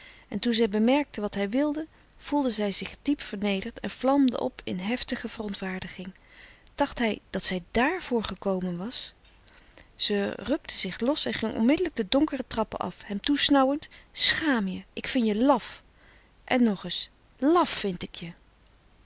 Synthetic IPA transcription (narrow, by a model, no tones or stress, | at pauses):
ʔɛntunzɛjbəmɛɹk̚təʋɑtɦɛjʋɪlˠdə | v̥ulˠdəzɛjzɪχdipfəɹnejdəɹtʰɛ̰nv̥lɑmdə̰ʔɔ̰pʰɪ̰nɦɛftəχəv̥ərɔntʋaːɹdəχɪŋ | d̥ɑχtɦɛjd̥ɑtsɛjdaːɹv̥ʊːɹχəkowmənʋɑs | z̥ərɵk̚tʰəzɪχlɔsɛnχɪŋʔɔ̰nmɪdələɡ̚dədɔŋkərətrɑpə̰nʔɑ̰fɦɛmtusnɑwəntsχaːmjəʔɪkfɪnjəlɑf | ʔɛnːɔχɪs | lɑfːɪntɪkjə